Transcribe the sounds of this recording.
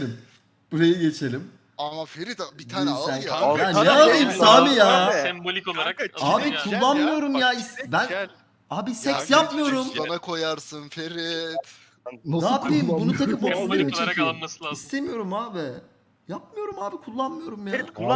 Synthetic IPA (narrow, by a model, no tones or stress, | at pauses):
lʲim | b̥uɾajiɟe̞t͡ʃʰelʲim | amafeɾit̪bid̪ʰaːinsæjabænːɛalˠajɯmsaːmijaː | aːbikʰulˠːanmɯjo̞ɾumjaːisbæn | aːbisɛksjapmɯjo̞ɾumsanakʰo̞jaɾsɯnfeɾit̪ | aapibunut̪ʰaɯmboksˠeɾɯmit͡ʃʰecʰijoɾist̪ʰe̞mijo̞ɾumaːbi | jap̚mɯjo̞ɾumaːbikʰulˠːanmɯjo̞ɾumjaː